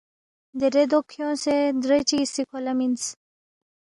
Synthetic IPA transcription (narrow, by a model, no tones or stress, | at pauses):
d̪eɾed̪okʰjõːsed̪ɾet͡ʃisikʰolamins